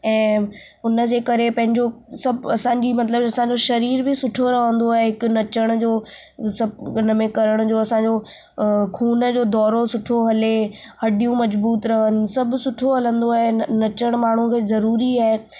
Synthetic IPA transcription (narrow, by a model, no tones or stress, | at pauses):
ɛ̃ː | ʊnə̆d͡ʑeːkɐɾepɐ̃ɦɪ̃ɲd͡ʑosɐbɐsãːɲd͡ʑimɐt̪ləbɐsãɲ̆d͡ʑoʃɐɾiːɾbɪsʊʈʰoɾɐɦə̃nd̪oaːɦeɦɪkʊ̆nɐt͡ɕəɽ̃̆d͡ʑoː | sɐbnəmẽkɐɾəɽ̃ʊd͡ʑoːɐsãɲ̆d͡ʑo | kʰuːnəd͡ʑoːd̪ɔːɾosʊʈʰoɦɐle | hɐɖijũmɐzbuːt̪ɾɐɦənɪ̆sɐbsʊʈʰoɦɐlə̃nd̪oaːɦenɐt͡ɕəɽ̃maːɳ̤ũkʰeːzɐɾuːɾiaːɦe